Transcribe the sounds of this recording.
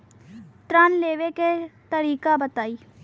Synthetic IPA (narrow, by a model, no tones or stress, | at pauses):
ʈ̪ɾanleːʋeket̪əɾiːkabət̪aːiː